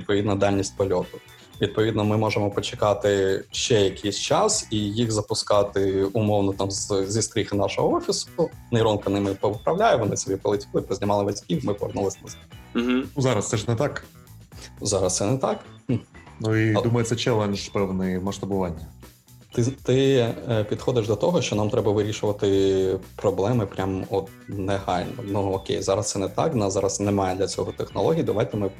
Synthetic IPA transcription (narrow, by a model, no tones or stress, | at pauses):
ʋʲd̪̚pɔʋʲid̪nɐd̪ɑlʲnʲisʲtʲpɔlʲɔt̪ʊ | ʋʲid̪̚pɔʋʲid̪nɔmɪmɔʒɪmɔpɔt͡ʃɪ̥kɑt̪ɪʃt͡ʃɛjɐkʲʰejsʲt͡ʃɑsijixzɐpʊskɑt̪ɪʊmɔwnɔt̪ɑmzzʲist̪ɾʲixɪnɑʃɔɦɔɔfʲisʊnɐjɾɔnkɐnɪmɛnʲpɔʊpɾɐʋlʲajɛʋɔnɪsɔbʲipɔlˠɪtʲilˠɪpɾɔzʲnʲɪmɑlˠɪʋɐzʲkʲiwmɪpɔʋɛrnulˠɪsʲnɐz̩ʲ | nuzɑɾɐst̪sɛʒnɛt̪ɑk | zɑɾɐst̪sɛnɛt̪ɑk | nuid̪umɐjet̪sʲɛt͡ʃɛlˠɛnʒpɛwnɪmɐʃt̪ɐbʊʋɑnʲːɐ | t̪ɪt̪ɪpʲid̪xɔd̪ɪʒd̪ɔt̪ɔɦɔʃt͡ʃɔnɑmt̪ɾɛbɐʋɪɾʲiʃʊʋɐt̪ɪpɾɔblˠɛmɪpɾʲamɔt̪̚nɛhɑlʲnɔ̰nuɔkʲḛjzɑɾɐst̪sɛnɛt̪ɑ̰knɑzɑɾɐsnɛmɑjɛd̪lʲɐt͡sʲɔɦɔt̪exnɔ̰lˠɔɦʲijid̪ɐʋajt̪ɛmɪ